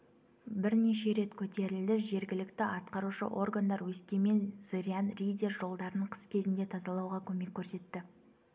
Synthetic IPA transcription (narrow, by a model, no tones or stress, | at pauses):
bɪɾneʃe̞ɾe̞t̪kʲʰɵt̪e̞ɾɪld̪ɪʒe̞ɾɡʲɪlɪkt̪ɪʔɑt̪qɑɾuʃə̰ʔo̞rɡand̪ɑɾwɵskʲe̞me̞nsɨɾʲianrʲijd̪ʲerʒo̞lˠd̪ɑɾənəɴqʰə̥skʲʰe̞zɪnd̪e̞t̪ʰɑzɑlˠɑwʁɑkʲʰɵme̞kʲʰːɵɾse̞t̪ːɪ